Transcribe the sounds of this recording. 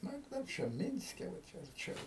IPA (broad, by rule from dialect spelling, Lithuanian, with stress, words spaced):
ˈnʊ ɪ ˈkɐɪp t͡ʃʲɛ ˈmʲɪnʲsʲkʲɛ ʋɐ ˈt͡ʃʲɛ ɐrʲˈt͡ʃʲɛʊ